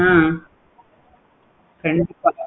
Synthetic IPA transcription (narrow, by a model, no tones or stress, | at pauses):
ã | kɐɳɖɪpːa